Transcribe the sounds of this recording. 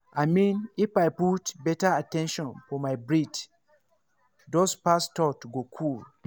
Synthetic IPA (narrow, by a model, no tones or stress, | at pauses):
ʔamĩnifajputbɛtaatɛ̃nʃɔ̃nfɔmajbɹid | dospastɔtuɡokʰul